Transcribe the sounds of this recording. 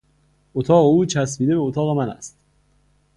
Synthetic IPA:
ʔot̪ʰɒːɣeuːt͡ʃʰæsbiːd̪ebeot̪ʰɒːɣe̞mænæ̰st̪

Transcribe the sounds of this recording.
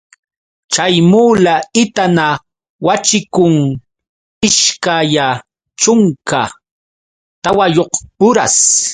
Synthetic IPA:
t͡ʃajmuːlaɪt̪ana | wat͡ʃɪkʊŋ | ɪʃkaja | t͡ʃʊŋka̰ | t̪awajoqʊɾa̰s

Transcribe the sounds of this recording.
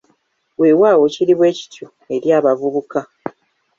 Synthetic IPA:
weːwaːwo̞ciɾiβwe̞ːci̥tʰu | e̞ɾjaːβavuβuka

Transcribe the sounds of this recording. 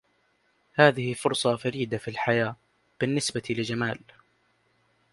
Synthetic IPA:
haːðɪhɪfʊɾsˤɑfaɾiːd̪afilħajaː | b̥ɪnːɪsbat̪lɪd͡ʒamaːl

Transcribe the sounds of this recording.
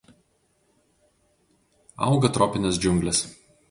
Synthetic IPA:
ɑ̰ˑʊɡɐt̪ɾɔːpʲɪnʲɛsd͡ʒʲʊŋʲˑɡlʲɛs

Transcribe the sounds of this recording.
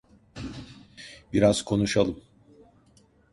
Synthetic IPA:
biɾaz̥kʰo̞nuʃalˠɯm

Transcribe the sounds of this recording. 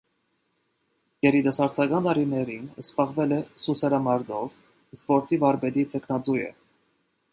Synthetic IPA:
jɛɾid̪ɛsɑɾt̪ʰɑɡɑnt̪ɑɾinɛɾinəspɑʁvɛlɛsusɛɾɑmɑɾd̪ɔv | spɔɾt̪ʰivɑɾbɛd̪it̪ʰɛkʰnɑt͡sujɛ̰

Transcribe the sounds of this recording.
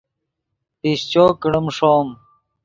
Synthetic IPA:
piɕt͡ɕoːkiɽumʂoːm

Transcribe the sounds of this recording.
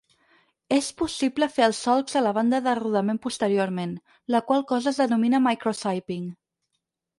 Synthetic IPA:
espusipləfeəlˠsɔlˠkzələβ̞and̪əðəruðəmempust̪əɾioɾmen | ləkwalˠkɔzəːzðənuminəmajkɾosajpiŋ

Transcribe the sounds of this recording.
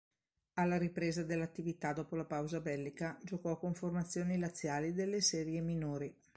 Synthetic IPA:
alːaɾipɾeːzad̪elːat̪ːivit̪ad̪ɔːpolapawzabɛlːikad͡ʒokɔkoɱformat̪sːjoːnilat̪sːjaːlid̪elːesɛːɾjeminoːɾi

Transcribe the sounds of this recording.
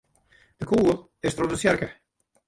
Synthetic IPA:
d̥əkʰuːəlˠ | ɪstrɔtdəsjɛrkə

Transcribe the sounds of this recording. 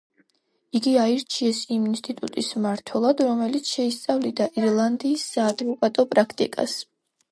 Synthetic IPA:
iɡiaiɾt͡ʃʰiɛsiminst̪ʼit̪ʼṵt̪ʼismaɾt̪ʰwɛlˠad̪ɾɔmɛlit̪sʰʃɛist̪sʼavlid̪aʔiɾlˠand̪iːsːaːd̪vɔkʼat̪ʼɔpʼɾakʰt̪ʼḭkʼa̰s

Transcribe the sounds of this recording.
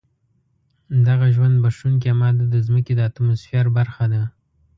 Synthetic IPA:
d̪aɣaʒwand̪̚baʂunk̬iamɑd̪ad̪əzməked̪əat̪amʊsfjɑɾbaɾxad̪a

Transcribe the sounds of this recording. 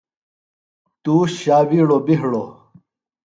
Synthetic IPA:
t̪uːɕaːwiːɽobiɦɽo

